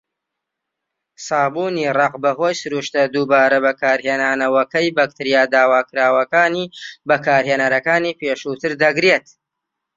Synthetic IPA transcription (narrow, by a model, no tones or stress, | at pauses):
saːbuːnirɑqbɐɦoːjsɨɾuːʃt̪ɐd̪ubaːɾɐbɐkʰaːɾɦeːnaːnɐwɐkɐjbɐk̚t̪ɨɾijaːd̪aːwaːkɨɾaːwɐkaːniːbɐkʰaːɾheːnɐɾɐkaːniːpʰeːʃut̪ʰɨɾd̪ɐɡɾet̪